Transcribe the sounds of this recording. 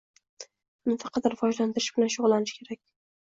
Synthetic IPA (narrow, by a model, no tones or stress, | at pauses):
nɪfɑqʰɑt̪̚dɪɾfɒʒlant̪ʰɪɾɪʃb̥ɪlanʃʊʁlˠanɪʃkʲʰe̞ɾakʲ